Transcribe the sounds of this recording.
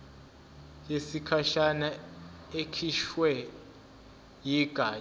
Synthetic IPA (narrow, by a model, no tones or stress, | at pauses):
jesikʰaʃanaekʰiʃwɛ | jiɡ̥ʱaː